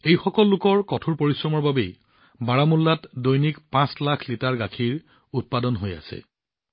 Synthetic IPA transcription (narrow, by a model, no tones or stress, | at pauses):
ejxɔkɔlːʊkɔɹkɔtʰuɹpoɹisɹɔmɔɹbabej | baɹamulːatdojnikpãslakʰlitaɹɡakʰiɹ | ut̚padɔnɦoja̰sɛ̰